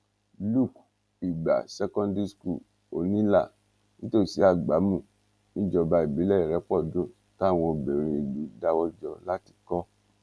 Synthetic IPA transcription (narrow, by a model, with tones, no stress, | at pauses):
lu˦˨k | i˨ɡ͡ba̰˨sɛ˦kɔ̃˦ndi˦sku˦˨ | o˨nĩ˦la˦˨ | nĩ˦to˦˨si˨˦a˦˨ɡ͡ba˨˦mũ˦˨ | nĩ˦d͡ʒɔ˧ba˧i˨bi˨˦lɛ˦i˦˨ɾɛ˨˦k͡pɔ˦˨dõ˦˨ | ta˦˨w̃ɔ̃˧o˨bɛ˨ɾ̃ĩ˧e˨ɡ͡bi˨˦da˦wɔ˦d͡ʒɔ˧la˦ti̥˧kɔ˦